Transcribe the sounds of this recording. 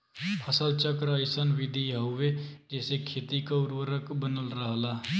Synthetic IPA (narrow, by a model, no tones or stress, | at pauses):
pʰəsəlt͡ʃəkɾəɪsənʋɪd̪ʱiaɦʊʋed͡ʒɛːsekʰeːt̪ikaʊɾwəɾəkbənəlɾəɦlaː